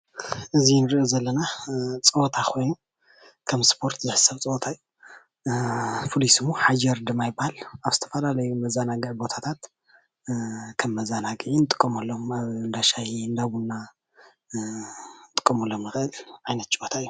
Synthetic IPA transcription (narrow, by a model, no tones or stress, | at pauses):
ʔɨzinɨɾʔozɐlːɐnat͡sʼɐwt̪ʰakʰo̞jnu | kʰɐmspʰo̞ɾt̪ʰzɨħɨ̥sɐβt͡sʼɐot̪ʰajːu | fʰulisɨmoħad͡ʒɐɾd̪ɨmajbːahalaβzɨt̪ʰɐ̥fɐlalɐjumɐzanaɡɨʕbo̞t̪ʰat̪ʰat̪ | kʰɐmːɐzanaɡʕinɨt̪ʼɨ̥kʼːɐmɐlːomaβɨnd̪aʃahiɨnd̪aβunːa | nt̪ʼɨ̥kʼːɐmɐlːomjɨxɨʔɨlʕajnɐt̪̚t͡ʃʼowot̪ʰaɨjːu